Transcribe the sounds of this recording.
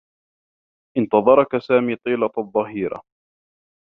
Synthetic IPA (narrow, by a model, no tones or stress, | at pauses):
ʔɪnt̪ɑðˤɑɾˤɑkasaːmiːt̪ˤiːlɑt̪ðˤːɑɦiːɾɑ̰